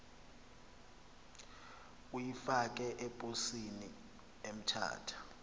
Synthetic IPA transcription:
ujifak̬ʼɛʔepʼosini | em̩tʰa̰ːtʰḁ

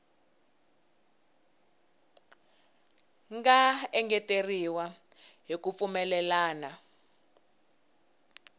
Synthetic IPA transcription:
ŋɡaɛŋɡɛteriwaɦik̬up̪fumɛlɛlaːna

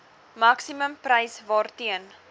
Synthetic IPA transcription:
mɐksiməmprəjsvɑːrtiən

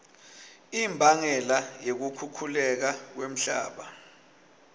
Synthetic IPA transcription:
imbʱaŋɛlajek̬ukʰukʰulɛk̬ak̬wem̩ɬa̰ːɓa

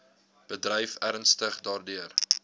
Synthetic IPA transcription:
b̥ədrəjfæɾnstəχdɑːrdyər

